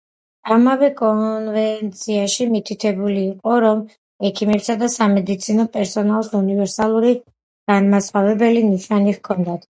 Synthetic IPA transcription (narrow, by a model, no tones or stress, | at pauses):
amavɛkʼɔnvɛnt̪sʰiaʃimit̪ʰit̪ʰɛbuliːqʼɔɾɔm | ɛkʰimɛpsad̪asamɛd̪it̪sʰinɔpʼɛɾsɔnalˠsunivɛɾsalˠuɾi | ɡ̥anmasχavɛbɛliniʃaniʁkʰɔnd̪at̪